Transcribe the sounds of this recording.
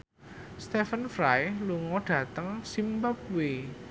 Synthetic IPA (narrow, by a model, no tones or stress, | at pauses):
st̪efənfɾajluŋɔɖ̥ä̤t̪əŋsimbəp̚we